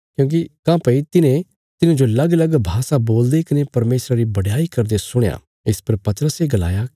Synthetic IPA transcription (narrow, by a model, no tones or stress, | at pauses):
kjõːk̬ikãːpɐit̪ɪnẽ | t̪ɪnẽd͡ʒolɐɡlɐɡbʱaːsaboːld̪ekɐnepɐɾmeːsɾaɾibɐɽjaːikɐɾd̪esʊɽ̃ja̰ | ɪspɐɾpɐt̪əɾəseɡɐla̰ːja